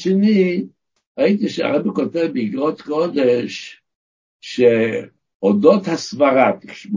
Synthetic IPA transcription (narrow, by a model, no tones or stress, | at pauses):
ʃɛni | ait̪̬iʃɛa̰ʁɛbɛkɔtɛvbiiɡʁɔt̪kɔd̪ɛʃː | e | ɔdothasvaʁat̪iχʃvu